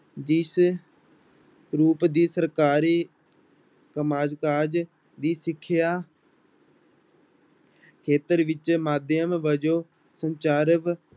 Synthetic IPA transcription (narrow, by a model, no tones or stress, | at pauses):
d͡ʒɪs | ɾuːpd̪iːsəɾkaːɾiː | kəmaːd͡ʒkaːd͡ʒ | d̪iːsɪkʰːɪjaː | kʰeːt̪əɾʋɪt͡ʃmaːd̪jəmʋəd͡ʒoː | səɲt͡ʃaːɾəʋ